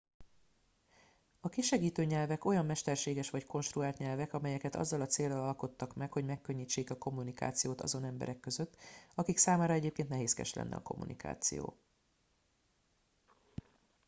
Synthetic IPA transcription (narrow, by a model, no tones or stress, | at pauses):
ɒkiʃɛɡiːt̪øːɲɛlvɛko̞jɒmːɛʃt̪ɛrʃeːɡɛʃʋɒcko̞nʃt̪ruaːlt̪ɲɛlvɛkɒmɛjɛkɛt̪ɒ̰zːɒlɒt̪seːrːɒlɒlko̞t̪ːɒkmɛkhoɟmɛkːøɲːiːt͡ʃːeːkɒko̞mːunika̰ːt̪sijoːt̪ɒ̰zo̞nɛmbɛ̰ɾɛkːøzøt̪ːɒkiksaːmaːɾɒɛɟeːp̚keːnt̪nɛɦeːskɛ̰ʃlʔɛ̰nːɛ̰ɒ̰ko̞̰mːṵnʔḭkʰa̰ːt̪sḭjo̰ː